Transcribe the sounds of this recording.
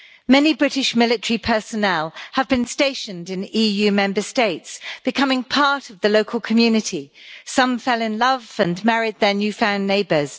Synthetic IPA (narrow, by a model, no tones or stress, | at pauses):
mɛnibɹɪtɪʃmɪlɪtəɹipʰɜˑsənɛlˠəvbɨ̃nsteɪʃə̃ndɪ̃niːjʉːmɛ̃mbəsteɪtsb̥ɪkʰʌmɪ̃ŋpʰɑˑɹtəvðəloʊkʰəlˠkʰəmjʉːnɪtʰisʌ̃ɱfɛlɪ̃nlʌvə̃nmæɹɪd̪̚ðənjʉfãʊ̃nːeɪbəz̥